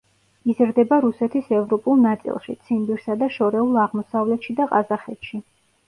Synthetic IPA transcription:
izɾd̪ɛbaɾusɛt̪ʰisɛvɾɔpʼulˠnat̪sʼḭlˠʃḭt̪sʰinb̪iɾsad̪aʃɔɾɛulˠaʁmɔsavlɛt̪ʃid̪aqʼazaχɛt̪ʃi

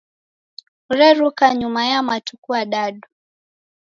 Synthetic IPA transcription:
uɾɛɾukaɲumajamatukuaɗaɗu

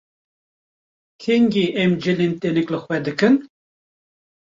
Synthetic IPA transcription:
kʰeŋɡeʔɛmd͡ʒɨlent̪enɨklɨxwɛd̪ɨkɨn

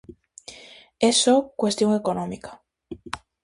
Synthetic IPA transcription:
esokwe̞st̪jo̞ŋe̞konõmikḁ

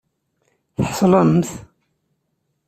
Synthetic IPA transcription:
θəħsˤəlɑnəmθ

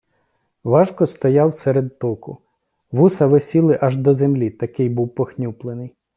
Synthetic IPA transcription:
ʋɑʒkɔst̪ɔjɑwsɛɾed̪t̪ɔkʊ | ʋusɐʋesʲilˠɪʔɐʒd̪ɔzemlʲit̪ɐkɪjbuwpɔxnʲuplˠenɪj

